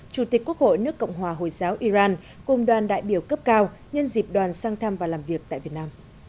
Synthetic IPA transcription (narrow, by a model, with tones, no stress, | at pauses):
t͡ɕu˨˩t̪i˨˩k̟ku˦˥ək̚ho̰˧˨jnɨ˦˥əkːɔ̰˧˨wŋ͡mɦwaː˨˩ɦo̰˧˨jzaː˨˦wʔi˧zaː˧n | kʊ˨˩ŋ͡mɗwaː˨˩nɗa̰ː˧˨jɓi˧˩əwkə˦˥p̚kaː˧wɲə˧nzi˨˩p̚ɗwaː˨˩nsaː˧ŋt̪ʰa˧mvaː˨˩laː˨˩mvi˨˩ək̚t̪a̰ː˧˨vi˨˩ət̚naː˧m